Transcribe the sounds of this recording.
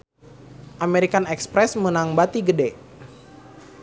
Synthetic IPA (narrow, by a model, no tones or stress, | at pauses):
ʔameɾikanɛkspɾɛsmənaŋbat̪iɡədɛ